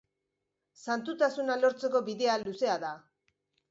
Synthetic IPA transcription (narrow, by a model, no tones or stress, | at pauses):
sant̪ut̪asunalo̞ɾt͡se̞ko̞βiðe̞aluse̞aða